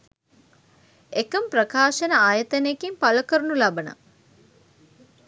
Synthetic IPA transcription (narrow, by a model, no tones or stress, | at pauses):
ekəmprɐkaːʃɐnəaːjɐt̪ɐnekimpalɐkəɾunulɐbɐnə̰